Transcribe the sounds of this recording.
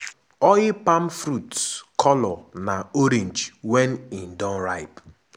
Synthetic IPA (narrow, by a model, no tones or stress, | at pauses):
ɔɣɪpamfɾutkʰɔlɔnaoɾĩnd͡ʒwenin̩dɔ̃nɾaɪp